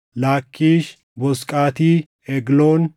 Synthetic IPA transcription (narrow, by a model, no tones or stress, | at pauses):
laːkʰːiːʃ | bɔskʼaːt̪iː | ɛɡloːn